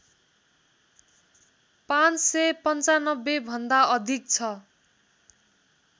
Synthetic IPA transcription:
pãnt͡ssepʌnt͡sanʌbːebʱʌnd̪aʌd̪ʱik̚t͡sʰʌ

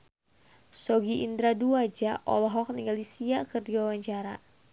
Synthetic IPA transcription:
sɔɡiʔind̪ɾaduad͡ʒaʔɔ̰lɔɦɔk̚niŋɡalisiakɨrdiwawaɲt͡ʃaɾa̰

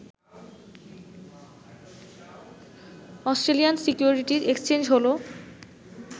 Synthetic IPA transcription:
ɔsʈɾeliansikjuɾiʈiɾekst͡ɕend͡ʑɦolo

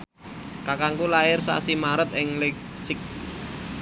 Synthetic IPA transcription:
kakaŋkulaɪrsa̰simaɾət̪̚ɪŋleɡsɪk̚

